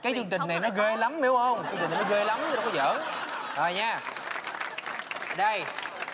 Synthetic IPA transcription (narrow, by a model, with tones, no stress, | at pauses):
kaː˨˦jt͡ɕɨ˧ŋt͡ɕï˨˩ŋ̟na˨˩jnɔ˨˦ɣe˧la˨˦mme˨˦whə˧wŋ͡mt͡ɕŋt͡ɕi˨˩ŋn˨˩nɔ˨˦ɣe˧la˨˦mt̪ːa˧˦˩kɔ˨˧˦zə̰ː˧˩˦ʔəː˨˩jɲaː˧ | ɗə˧˩j